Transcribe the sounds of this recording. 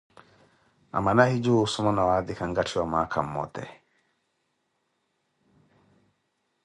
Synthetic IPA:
a̰manahid͡ʒusumanawad̪ikaŋɡatʰiwamakʰamːɔ̰t̪ɛ̰

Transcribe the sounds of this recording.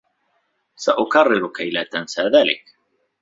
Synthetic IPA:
saʔʊkɑrːɪɾʊkajlaːt̪ansaːðaːlɪ̰k

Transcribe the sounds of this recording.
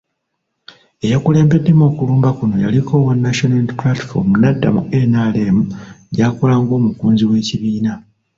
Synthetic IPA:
e̞jakuleːmbe̞dːe̞moːkuluːmbakuno̞ja̰likʰo̞ːwonːaʃonalplati̥fo̰munadːa̰mṵe̞nale̞ːmuɟaːkolaːŋɡo̞ːmukuːnziwe̞ːciβiːna

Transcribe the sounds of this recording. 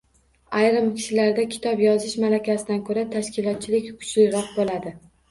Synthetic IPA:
ajɾɪmkʲʰɪ̥ʃɪlaɾd̪akʲʰɪ̥t̪ʰɒpjɒzɪʃmalakʲʰasɪd̪ankʰɵɾat̪ʰaʃkʲɪlˠɒt̪̚t͡ʃʰɪlɪkʲkʰʊ̥t͡ʃʰlɪɾɒq̚bolad̪ɪ

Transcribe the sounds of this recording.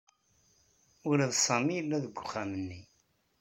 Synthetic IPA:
ʊlæðsˤɑmijəlːæðəɡʷːʊχːæmənːi

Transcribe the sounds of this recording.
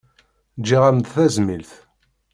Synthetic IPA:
d͡ʒiʁæmd̪θæzmilθ

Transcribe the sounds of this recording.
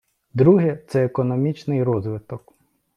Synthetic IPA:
d̪ɾuɦɛt̪sɛːkɔnɔmʲit͡ʃnɪjɾɔzʋɪt̪ɔk

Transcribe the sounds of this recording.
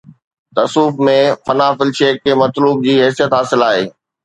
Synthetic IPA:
t̪ɐsuːfmẽfɐnaːfɪlʃeːkːeːmɐt̪luːb̚d͡ʑiːɦɛːsijət̪ɦaːsɪlaːɦeː

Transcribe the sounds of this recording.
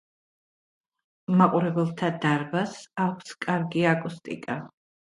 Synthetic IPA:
maqʼuɾɛbɛlˠt̪ʰad̪aɾbasakʷʰskʼaɾɡiakʼust̪ʼḭkʼa

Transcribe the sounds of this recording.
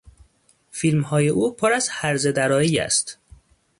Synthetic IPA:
filmhɒːje̞ʔuːpʰoɾæzhæɾze̞d̪æɾɒːiːjæ̰st̪

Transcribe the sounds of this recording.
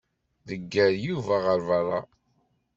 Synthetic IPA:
ðəɡːæɾjuvæʁəɾvɑrˤːɑ̰

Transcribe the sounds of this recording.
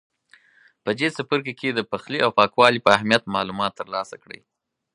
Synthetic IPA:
pəd͡ʒesapəɾkeked̪əpaxliawpɑkwɑlipəahmijat̪̚mɑlumɑt̪ːəɾlɑsakɽə̰j

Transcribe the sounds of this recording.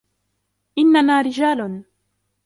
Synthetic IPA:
ʔɪnːanaːɾɪd͡ʒaːlʊn

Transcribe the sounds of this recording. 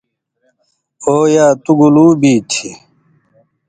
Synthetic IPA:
oːjaːt̪uɡuluːbiːt͡ɕʰi

